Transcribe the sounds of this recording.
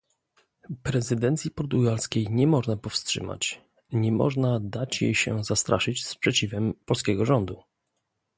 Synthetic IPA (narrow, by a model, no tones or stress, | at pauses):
pɾɛzɘd̪ɛnt̪sʲipɔɾt̪uɡalskʲejɲɛmɔʐnapɔfstʂɘ̰ma̰t͡ɕ | ɲɛmɔ̰ʐnad̪at͡ɕjḛjɕɛ̰zast̪ɾa̰ʂɘt͡ɕspʂɛt͡ɕivɛmpɔlskʲɛɡɔʐɔnd̪u